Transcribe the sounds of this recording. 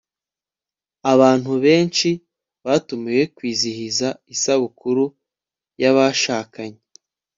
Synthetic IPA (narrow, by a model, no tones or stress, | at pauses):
aβaːn̥huβe̞ːnt͡ʃi | βaːtumeje̞kwiːzihizaisaβukʰuɾu | jaβaʃaːkaɲe